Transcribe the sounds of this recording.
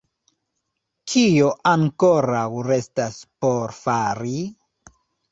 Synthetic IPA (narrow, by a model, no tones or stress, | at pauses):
kʰijoʔaŋkoɾawɾestaspoɾfaɾi